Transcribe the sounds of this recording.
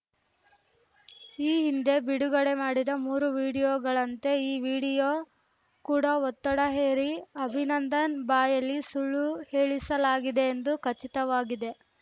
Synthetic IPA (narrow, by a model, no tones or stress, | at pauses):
iːɦind̪e̞biɽuɡɐɽe̞maːɽid̪ɐmuːɾuʋiːɽijoːɡɐɭɐnt̪e̞iːʋiːɽijoː | kuːɽɐɔt̪ːɐɽɐɦeːɾiɐbʱinɐnd̪ɐnbaːjɐlːisuɭːuhe̞ːɭisɐlaːɡid̪e̞ːnd̪ukɐt͡ʃːit̪ɐʋaːɡid̪e̞